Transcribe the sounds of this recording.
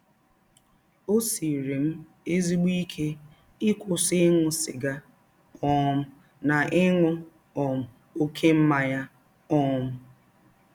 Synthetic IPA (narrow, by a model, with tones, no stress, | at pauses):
o˦si˨ɾe˨m̩˦ | e˦zi˦ɡ͡bi˦kʰe˦ | ɪ˦kʰʷʊ˨sɪ˦ŋʷʊ˦sɪ̰˨ɡa˦ | ɔ˦mʊ˦ | na˨ʔɪ˦ŋʷʊ˦ | ɔ˨mʊ˨ | o˦kʰe˦m̩˦ma˨ja˦ | ɔ˦mʊ˦